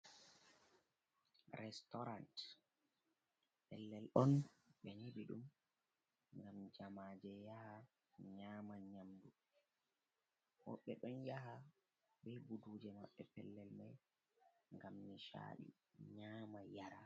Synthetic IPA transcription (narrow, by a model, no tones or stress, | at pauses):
ɾɛstɔɾant | pɛlːɛlʔɔnɓɛnibiɗum | ŋɡamd͡ʒamaːd͡ʒɛjaha | ɲaːmaɲamdu | wɔ̰ɓːɛɗɔnjaɦa | bɛjbuduːd͡ʒɛma̰ɓːɛpɛ̰lːɛlmaj | ŋɡamniʃa̰ːɗḭ | ɲaːmajaɾa